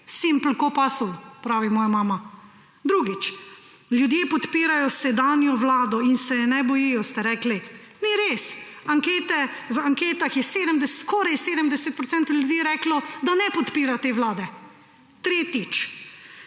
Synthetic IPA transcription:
simpl̩kɔpasɔwpɾaːʋimɔːjamaːma | d̪ɾuːɡit͡ʃ | lʲjud̪jeːpɔt̪piːɾajɔsɛd̪anjɔʋlaːd̪ɔinsɛnɛbɔjijɔst̪ɛɾɛkli | niɾeːs | aŋkeːt̪ɛʋaŋkeːt̪axjɛseːd̪əmd̪ɛskɔːɾajseːd̪əmd̪ɛsɛt̪̚pɾɔt̪sɛnt̪oljud̪iːɾɛklɔd̪anɛpɔt̪piːɾat̪eːʋlaːd̪ɛ | t̪ɾeːt̪it͡ʃ

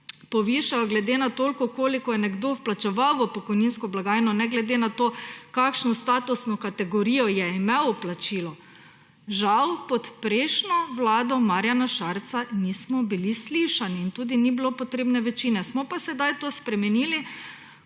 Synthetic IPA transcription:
pɔʋiʃajaɡlɛd̪enat̪oːlkɔkoːlikɔjɛnɛɡd̪owplat͡ʃɛʋaʋɔpɔkɔjninskɔblaɡaːjnɔnɛɡlɛd̪enat̪okakʃnɔst̪aːt̪usnɔkat̪ɛɡɔɾijɔjɛimɛwɔplat͡ʃiːlɔ | ʒawpɔt̪pɾeːʃnɔʋlaːd̪ɔmaɾjanaʃaɾt̪sanismɔbilisliʃaniːnt̪uːd̪inibilopɔt̪ɾeːbnɛʋɛt͡ʃiːnɛsmɔpasɛd̪ajt̪oːspɾɛmɛniːli

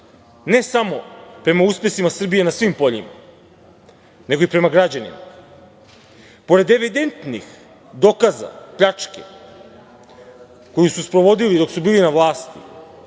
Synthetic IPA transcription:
ne̞samo̞pɾe̞mauspe̞simasr̩bije̞nasʋimpo̞ʎima̰ | ne̞ɡo̞ipɾe̞maɡɾad͡ʑanḭma̰ | po̞ɾe̞d̪e̞ʋid̪e̞nt̪nix | d̪o̞kaza̰pʎat͡ʂkḛ | ko̞jususpɾo̞ʋo̞d̪ilid̪o̞ksubiːlinaʋlˠaːst̪i

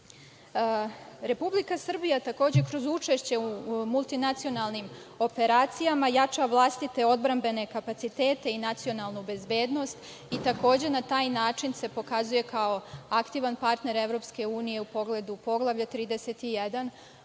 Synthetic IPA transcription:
ɾe̞publikasr̩bijat̪ako̞ːd͡ʑe̞kɾo̞zut͡ʂe̞ʃt͡ɕe̞umulˠt̪inat̪sio̞nalˠnim | o̞pe̞ɾaːt̪sijamajat͡ʃaʋlˠast̪it̪e̞o̞d̪bɾambe̞ne̞kapat̪sit̪e̞ːt̪e̞inat̪sio̞nalˠnube̞zbe̞ːd̪no̞st̪ | it̪ako̞ːd͡ʑe̞nat̪aːjnaːt͡ʃinse̞po̞kazuje̞kao̞akt̪iːʋanpaɾt̪ne̞ɾeʋɾo̞pske̞uːnije̞upo̞ɡle̞d̪upo̞ɡlˠaʋʎat̪ɾiːd̪ese̞t̪ijed̪an

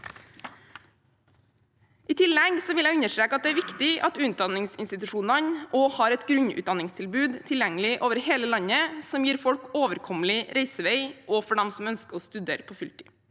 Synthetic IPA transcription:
ʔiːt̪ʰɪlːɛɡsɔʋɪlæɪʉɲəʂʈɾeːkɑt̪̚d̪ɛæːɾʋɪkt̪ɪʔɑt̪ʉnt̪̚d̪ɑnɪŋsɪnst̪ɪt̪ʉʂuːnɑnʔoːhɑːɾɛt̪ɡɾʉɲʉ̰t̪̚d̪ɑnɪŋst̪ʰɪlbʉːd̪t̪ʰɪljɛŋəlɪʔoːʋəɾheːləlɑɲəsɔmjiːɾfɔɽkoːʋəɾkʰɔməlɪɾʔeɪsəʋeɪʔoːfɔɖɛmsɔmœnskəɔːst̪ʉd̪eːɾpʰoːfʏlt̪ɪ̥

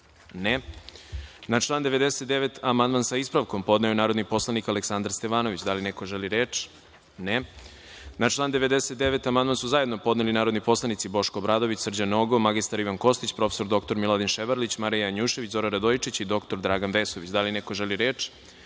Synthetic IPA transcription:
ne | nat͡ʃlˠaːnd̪eʋe̞d̪eset̪̚d̪eʋet̪ʰamand̪mansaispɾaʋko̞mpo̞d̪najunaːɾod̪nipo̞slˠanikaleksand̪ɾst̪e̞ʋaːno̞ʋit͡ɕd̪alineko̞ʒeliɾeːt͡ʃ | ne | nat͡ʃlˠaːnd̪e̞ʋe̞d̪eset̪̚d̪eʋe̞t̪amand̪mansuzajed̪nopo̞d̪nelinaːɾo̞d̪nipo̞slˠanit̪sibo̞ʃkobɾaːd̪o̞ʋit͡ɕsr̩d͡ʑanoɡomaɡist̪aɾiʋanko̞st̪it͡ɕpɾo̞fe̥so̞ɾd̪o̞kt̪o̞ɾmilˠad̪inʃeʋaɾlit͡ɕmaɾijaaɲuːʃeʋit͡ɕzo̞ɾaɾad̪ojit͡ʃit͡ɕid̪o̞kt̪o̞ɾd̪ɾaːɡanʋeːsoʋit͡ɕd̪alinekoʒeliɾeːt͡ʃ

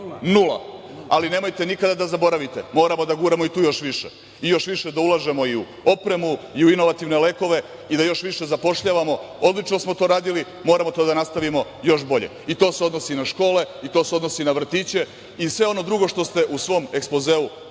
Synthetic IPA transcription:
nulˠa̰aline̞mo̞jt̪e̞nikad̪ad̪azabo̞ɾaʋit̪ḛmo̞ːɾamo̞d̪aɡuːɾemo̞it̪uːjo̞ʃʋiʃḛ | ijo̞ʃʋiʃe̞d̪aulˠaʒe̞mo̞iu | o̞pɾe̞muiuinoʋat̪iʋne̞le̞ko̞ʋe̞ | id̪ajo̞ʃʋiʃe̞zapo̞ʃʎaːʋamo̞ | od̪lit͡ʃno̞smot̪o̞ːɾaːd̪ili | mo̞ːɾamo̞t̪o̞ːd̪anast̪aʋimo̞ | jo̞ʃbo̞ʎḛit̪o̞ːseo̞d̪no̞sinaʃko̞ːle̞it̪o̞seo̞d̪no̞sinaʋr̩t̪iːt͡ɕe̞ | isʋe̞o̞no̞d̪ɾuɡo̞ʃt̪o̞st̪e̞ʔusʋo̞mekspo̞zeːu

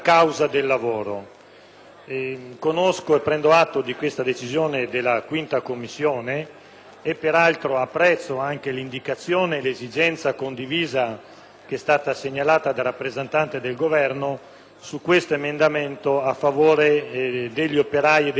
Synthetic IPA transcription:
kawzad̪elːavoːɾo̰ | konoskoepːɾɛnd̪oat̪ːod̪ikwest̪ad̪et͡ʃizjoːned̪elːakwint̪akomːisːjoːneː | pːeɾalt̪ɾoapːɾɛt̪sːoaŋk̟elind̪ikat̪sːjoːnelezid͡ʒɛnt̪sakond̪iviːza | keɛst̪aːt̪aseɲːalaːt̪ad̪aɾapːɾezent̪ant̪ed̪elɡovɛrno | sukwest̪oemend̪ament̪oafːavoːɾed̪eʎːiopeɾajid̪

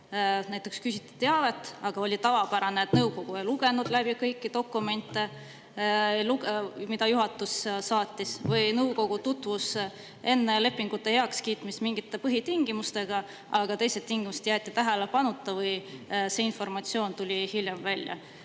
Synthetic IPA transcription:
næjt̪ːˑe̞kskysit̪ːu̥t̪ːe̞ɑve̞t̪ːˑɑɡ̥ɑo̞lʲit̪ɑvɑpæɾɑneːt̪nɤwko̞ɡ̥uejluɡ̥e̞nud̪̥læb̥ikɤjkˑːit̪o̞kːˑume̞nt̪ːˑe̞ | luɡemid̪ɑjuɦɑt̪ːˑussɑːt̪ʲːisvɯjnɤwko̞ɡ̥ut̪ut̪ːˑvus | e̞nːe̞le̞pːˑiŋɡ̥ut̪ːe̞heɑkskiːt̪mismiŋɡ̥it̪ːˑe̞pɤɦit̪iŋɡ̥imust̪e̞ɡ̥ɑ | ʔɑɡ̥ɑt̪e̞jse̞t̪ːiŋɡ̥imused̪̥jæːt̪ːˑit̪æɦelepɑnut̪ːˑɑvɤjseinfo̞rmɑt̪sio̞ːnt̪ulʲihilʲjemvælʲjɑ̰

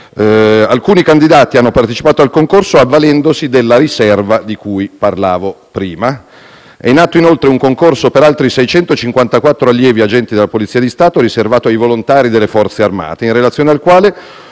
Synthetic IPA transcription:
alkuːnikand̪id̪aːt̪ianːopart̪et͡ʃipaːt̪oalkoŋkorsoavːalɛnd̪osid̪elːaɾisɛrvad̪ikujparlaːvo | pɾiːma | ɛ̰inːaːt̪ːoinolt̪ɾeuŋkoŋkorsopeɾalt̪ɾisɛjt͡ʃɛnt̪ot͡ʃiŋkwant̪akwat̪ːɾoalːjɛːviad͡ʒɛnt̪id̪elːapolit̪siːad̪ist̪aːt̪oɾiservaːt̪oajvolont̪aːɾid̪elːefɔrt̪searma̰ːt̪einrelat̪sjoːnealkwaːle

